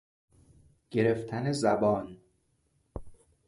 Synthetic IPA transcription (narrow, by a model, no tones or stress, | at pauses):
ɟ̥e̞ɾeft̪ʰænezæbɒːn